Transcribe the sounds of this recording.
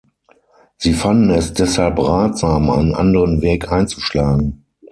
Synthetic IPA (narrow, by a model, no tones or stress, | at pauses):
z̥iːfandn̩ɛsd̥ɛshalpʁaːtz̥aːmʔa̰ɪnənʔa̰ndəʁənvɛːkʰʔaɪ̃nt͡suʃlaːɡŋ̩